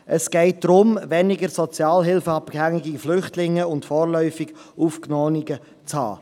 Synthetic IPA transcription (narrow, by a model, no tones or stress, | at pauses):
ʔəsɡ̥ɛɪt̚d̥ɾʊmvɛnɪɡəɾsɔt͡sjɑːlɦɪlfəɑpkhæŋiɡiflʏχtlɪŋːəʊntfɔːɾlœʏfɪɡ | uːfknɔːniɡə | t͡shɑ̰ː